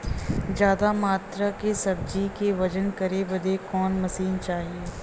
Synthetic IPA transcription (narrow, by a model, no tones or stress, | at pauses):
d͡ʒjaːd̪amaːt̪ɾakesɐb̚d͡ʒikeʋɐd͡ʒənkɐɾeʋɐd̪ʱekɔːnmɐsiːnt͡ʃaːɦieː